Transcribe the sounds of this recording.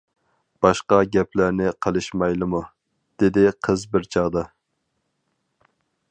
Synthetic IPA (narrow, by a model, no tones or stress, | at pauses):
b̥ɑʃqɑɡʲɛpʰlæɾnɪqʰəlˠɨʃmɑjlˠɨmu | d̪̥ɪd̪ɪqʰəzbɪɾt͡ʃʰɑʁd̪ɑ